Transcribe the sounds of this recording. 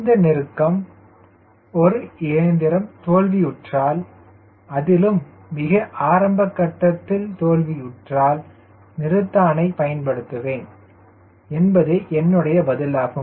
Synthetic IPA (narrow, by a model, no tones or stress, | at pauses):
ɪnd̪ɐnɪɾɯkːɐm | ɔɾɯeːnd̪ɪɾɐmt̪oːlʋiʊʈraːl | ɐðɪlɯmː | ɪɣɐʔaːɾɐmbɐkːɐʈːɐt̪ːɪlt̪oːlʋiʊʈraːl | nɪɾɯt̪ːaːnɐɪpɐjɐnpɐɽɯt̪ːɯʋeːn | ɛnbɐðeːʔɛnːɯɽɐjɐbɐðɪlaːɣɯ